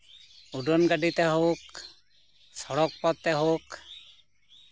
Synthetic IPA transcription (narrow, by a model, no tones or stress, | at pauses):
uɖɔnɡaɖit̪ɛɦok | sɔɽɔk̚pɔt̪̚t̪ɛɦok